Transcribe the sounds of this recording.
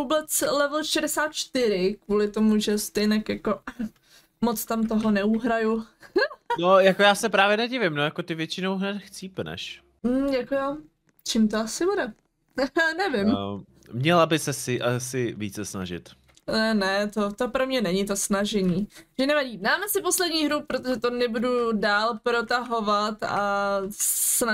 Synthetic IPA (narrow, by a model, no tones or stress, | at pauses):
vuːbɛt͡slɛvl̩ʃɛdɛsaːt̪̚t͡ʃt̪ɪɾɪkvuːlɪt̪omuʒɛst̪ɛjnɛkjako̞ | mot͡st̪amt̪oɦonɛuɦɾaju | nojakojaːsɛpɾaːvjɛnɛɟɪvɪmnojakot̪ɪvjɛt͡ʃɪnowɦnɛt̪xt͡siːpnɛ̰ʃ | m̩jakoja | t͡ʃɪmt̪oasɪbudɛ | nɛvɪm | mɲɛlabɪsɛsɪʔasɪvḭːt͡sɛsna̰ʒɪ̰t̪ː | nɛt̪ot̪opɾomɲɛnɛɲɪt̪o̞snaʒɛɲiːʒ̥ɛnɛvaɟiːnaːmɛsɪpo̞slɛdɲiːɦɾupɾot̪oʒɛt̪o̞nɛbududaːlpɾo̞t̪aɦo̞vat̪a | sna